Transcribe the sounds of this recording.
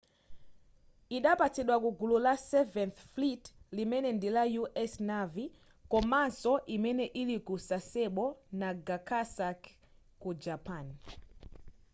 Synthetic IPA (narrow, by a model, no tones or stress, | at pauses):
iɗapatiɗwakuɡululasɛvɛnθflitlimɛnɛndilajuʔɛsnavi | kɔmansɔʔimɛnɛʔilikusasɛɓɔnaɡakʰasak | kud͡ʒapʰan